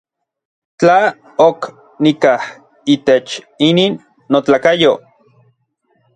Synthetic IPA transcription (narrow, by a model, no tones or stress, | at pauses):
t͡ɬa | ok | nikah | it̪et͡ʃ | iniːnː | ot͡ɬaːkajo